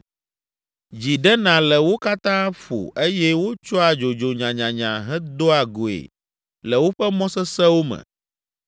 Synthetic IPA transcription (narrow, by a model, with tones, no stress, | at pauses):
d͡ʑi˨ɖɛ˦nã˨lɛ˨wo˦ka˦t̪ã˦ɸo̰˨ʔe˦jɛ˦wo˦t͡ʃɔ˦a˨d͡ʒo˨d͡ʒo˨ɲã˨ɲã˨ɲã̰˨ɦɛ˦d̪o˦a˨ɡo˨ḛ˨ | lɛ˨wo˦ɸɛ˦mɔ̃˦sɛ˦sɛ˦wo˦mɛ̰̃˨